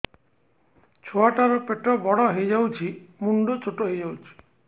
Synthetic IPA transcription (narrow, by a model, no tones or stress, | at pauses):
t͡ʃʰoaʈaɾɔpeʈɾɔbɔɽɔɦejd͡ʒawt͡ʃʰimuɳɖot͡ʃʰoʈoɦejd͡ʒawt͡ʃʰi̥